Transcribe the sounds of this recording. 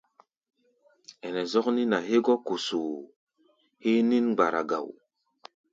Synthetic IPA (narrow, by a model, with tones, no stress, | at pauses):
e˨nɛ˨zɔ˦kni˦na˨ɦe˦ɡɔ˦ko˨su˨ | he˦ni˦nɡ͡ba˨ɾa̰˨ɡa̰˨w